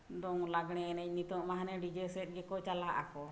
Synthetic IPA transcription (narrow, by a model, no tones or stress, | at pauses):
d̪ɔŋlaɡɽ̃ɛːnɛc̚nit̪ɔʔmaɦanɛɖid͡ʒɛsɛt̪̚ɡɛkɔt͡ʃalaʔa̰kɔ